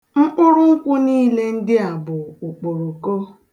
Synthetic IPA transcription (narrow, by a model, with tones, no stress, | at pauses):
ŋ͡m̩˦k͡pʊ˦ɾʊ˦ŋ̩˦kʷʊ˦niː˦le˦n̩˦dɪ˦a˨bʊ˨ʊ˨k͡po˨ɾo˨ko˦